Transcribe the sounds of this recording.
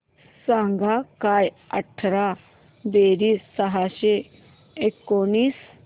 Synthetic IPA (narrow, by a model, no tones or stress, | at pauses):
sãŋɡʱakaj | əʈʰɾa | b̪eɾiːsːəɦaɕe | ekːoniːs